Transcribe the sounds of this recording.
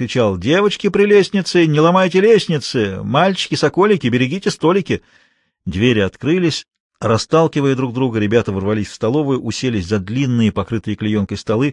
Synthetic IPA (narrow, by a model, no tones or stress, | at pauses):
ɾʲɪt͡ɕalˠdʲe̞vət͡ɕkʲɪpɾʲɪlʲesʲnʲɪt̪sɨnʲɪlˠɐmajtʲɪlʲesʲnʲɪt̪sɨmalʲt͡ɕɪ̥kʲɪsɐkolʲɪkʲɪbʲɪɾʲɪɡʲitʲɪst̪o̞lʲɪkʲɪ | d̪vʲeɾʲɪɐt̪kɾɨlʲɪsʲ | rɐst̪alˠkʲɪvəjəd̪ɾuɡ̚d̪ɾuɡəɾʲɪbʲat̪əvərvɐlʲisʲfst̪ɐlˠo̞vʊjʊʔʊsʲelʲɪsʲzɐd̪lʲinːɨjəpɐkɾɨt̪ɨjəklʲɪjo̞nkəjst̪ɐlˠɨ